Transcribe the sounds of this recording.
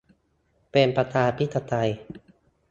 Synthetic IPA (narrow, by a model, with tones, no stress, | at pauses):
pe˧npa˧t̪ʰaː˧pʰi˦˥t̪ʰːa˧t̪a˧j